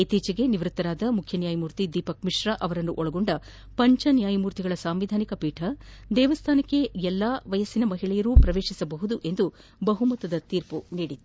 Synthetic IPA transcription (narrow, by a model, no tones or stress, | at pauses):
it̪iːt͡ʃɐɡe̞niʋɾut̪ːɐɾaːd̪ɐmukʰjɐnjaːjɐmuːɾt̪id̪iːpɐk̚miʂɾɐʔɐʋɐɾɐnːuʔɔɭɐɡo̞ɳɖɐ | pɐɲt͡ʃɐnjaːjɐmuːɾt̪iɡɐɭɐsaːmʋid̪ʱaːnikɐpiːʈʰɐd̪ɛːʋɐst̪ʰaːnɐkːe̞ɛlːaːʋɐjɐsinɐmɐɦiɭɛjɐɾuːpɾɐʋeːʂisɐbɐɦud̪uʔe̞nd̪u | bɐɦumɐt̪ɐd̪ɐt̪iːɾpuniːɽit̪ːu